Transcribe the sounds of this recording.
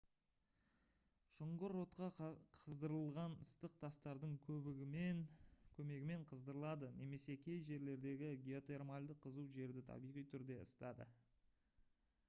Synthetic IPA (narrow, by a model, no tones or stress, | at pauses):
ʃʊɴʁəɾo̞t̪qɑqʰəzd̪əɾəlˠʁɑnəst̪əq̚t̪ʰɑst̪ɑɾd̪əɴkʲʰɵbɪenkʲʰɵme̞ɡʲɪme̞ɴqʰəzd̪əɾəlˠɑd̪əne̞me̞se̞kʲʰe̞jʒe̞ɾle̞ɾd̪e̞ɡʲɪɡʲeo̞t̪e̞rmalʲd̪əqʰːəzuwʒe̞ɾd̪ɪt̪ʰɑ̰bijʁijt̪ʰʏɾd̪e̞əst̪ɑd̪ə̰